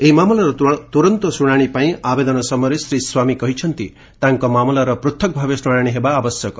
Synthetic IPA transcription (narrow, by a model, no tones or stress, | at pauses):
eimamlaɾʌt̪uɾʌnt̪osuɽ̃aɽ̃ipaĩʔabed̪ʌnʌsʌmʌɾesɾiswamikʌɦit͡sʰʌnt̪ḭ | t̪ãŋkomamlaɾʌprut̪ʰːʌk̚bʱabesuɽ̃aɽ̃iɦebaːbʌsjʌk